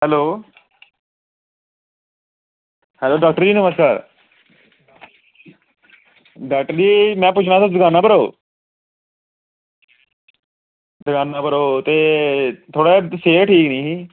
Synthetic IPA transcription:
hɛloː | hɛloːɖaːk̚ʈəɾd͡ʒiːnəməskaːɾ | d̪ɛːʈliːmɛ̃ːpʊt͡ʃʰɽãːsad̪əɡaːnaːbəɾoː | d̪əɡaːnaːbəɾoːt̪eːt̪ʰoːɽaːseːʈʰiːknĩːɦiː

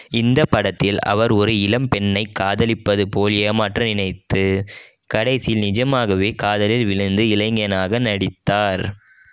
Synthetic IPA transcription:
ɪnd̪ɐpːɐɽɐt̪ːɪlɐ̰ʋɐɾɔɾɯɪlɐmpɛɳːɐɪkːaːðɐlɪpːɐðɯpoːleːmaːʈrɐnɪnɐɪt̪ːɯ | kɐɽɐɪsɪjɪlnɪd͡ʒɐmaːɣɐʋeːkaːðɐlɪlʋɪɻɯnd̪ɯɪlɐɪŋɡɐnaːɣɐnɐɽɪt̪ːaːɾ

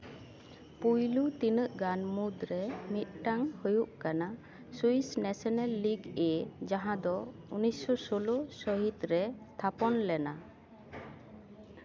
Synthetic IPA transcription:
pujlut̪inəʔɡanmud̪ɾɛmit̪̚ʈaŋhojuʔkana | suisnɛsɔnalːiɡɛd͡ʒaɦãd̪ɔunijsːɔsolosɔɦit̪ɾɛst̪ʰapɔnlɛna

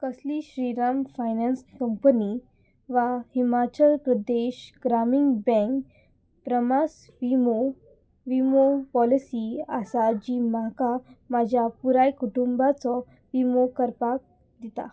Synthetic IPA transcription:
kəsliɕɾiɾamfajnanskəmpəni | ʋahimat͡ɕəlpɾəd̪eɕɡɾamiŋɡbɛ̃ŋk | pɾəmas | ʋimo | ʋimopɔlisiasad͡ʑimakamad͡ʑʱjapuɾajkuʈumbat͡sɔ | ʋimokəɾpak̚ | d̪it̪a̰

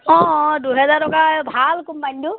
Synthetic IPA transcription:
ɔ̃duɦɛzaɹtɔkabʱalkumpaɲtʊ

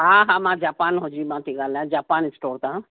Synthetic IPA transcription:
ɦãɦãːmãːd͡ʒaːpaːnɦõd͡ʒimãt̪ʰĩɡaːlãd͡ʒaːpaːnɪsʈoːɾt̪ãː

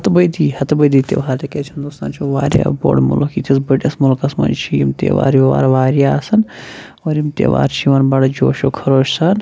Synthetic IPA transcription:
hɐt̪bəjd̪iːhɐt̪bəjd̪iːt̪ḛʋɦaːɾt̪ekeːt͡ʃʰɐnd̪oːst̪ãːnt͡ʃʰoʋaːɾja̰ːbo̰ːɖmṵlokiːt̪ʰis̬bəʈʲɐsmulkɐsmɐ̰nt͡ʃʰijimt̪ḛʋa̰ːɾjiʋa̰ːɾʋaːɾijaːsɐn | oːɾjimt̪ḛʋa̰ːɾt͡ʃʰiʋɐnbɐɽɐd͡ʒoːʃoːkʰɐɾoːʃsɐn

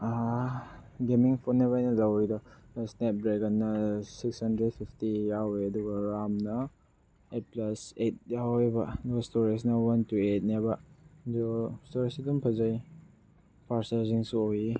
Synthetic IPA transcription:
a | ɡemiŋpʰonːeβajnɐlawidɔsnep̚dɾeɡɐnːɐsikshɐndɾed̚pʰipʰtijaweɐduɡɐɾamnɐ | et̚plɐset̚jawebɐdɡɐstoɾis̬nɐwantuet̚nebɐdostoɾisidumpʰɐzaj | pʰaɾsaɾziŋsuowi

